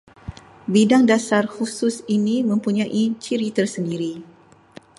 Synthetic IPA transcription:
bidaŋdasarhusʊsinimə̃mpuɲãʔit͡ʃiɾit̪ərsəndiɾi

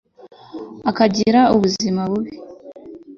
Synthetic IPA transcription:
akaɟiɾauβuzimaβuβi

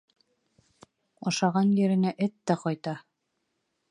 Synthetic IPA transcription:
oʃɑʁɑnjɘ̆ɾɘ̆næʔɘt̪ːæqɑjt̪ɑ

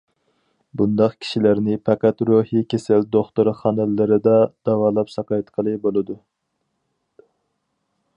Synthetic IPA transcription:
bund̪ɑqkʲʰi̥ʃilæɾnɪpʰɛqæt̪ɾuhikʲesɪld̪oχt̪uɾχɑnɨlːɨɾɨd̪ɑd̪̥ɑwɑːlˠɑpsɑqɑjt̪qʰəlˠɨbolˠɨd̪u

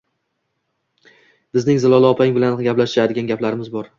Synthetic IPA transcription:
b̥ɪznɪŋzɪlˠɒlaɒpʰaɪŋbɪlanɡʲaplaʃt̪ɪɾad̪ɪɡʲanɡʲaplaɾɪmɪzbɒɾ

